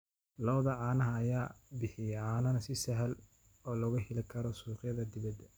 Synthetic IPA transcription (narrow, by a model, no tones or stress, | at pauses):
lɐwðɐʕɑːnɐɦɐːjaːbɪħɪjɛʕaːnɐnɐsɪsɐɦɐl | ɔːlɐɣɐhɪlɪkʰɐɾɔsuːqjɐðɐd̪ɪβɐd̪